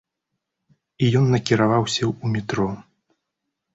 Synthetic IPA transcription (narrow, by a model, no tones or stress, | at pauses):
ijɔnːɐkʲiɾavawsʲɐumʲit̪ɾɔ